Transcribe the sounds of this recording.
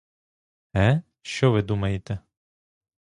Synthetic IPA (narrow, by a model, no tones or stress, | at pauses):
ɛ | ʃt͡ʃɔʋɪd̪umɐjet̪ɛ